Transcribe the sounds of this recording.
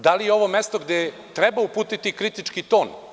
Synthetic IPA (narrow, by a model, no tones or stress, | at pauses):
d̪alijeo̞ʋo̞mest̪oɡd̪e | t̪ɾɛbaupuːt̪it̪ikɾit̪it͡ʃkit̪o̞ːn